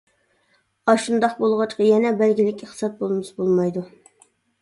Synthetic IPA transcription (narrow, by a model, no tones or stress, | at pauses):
ɑʃund̪ɑq̚bolˠʁɑt͡ʃqɑjɛnɛbɛlɡʲilɪkʲeχt̪sɑt̪̚bolˠmɨʃbolˠmɑjd̪u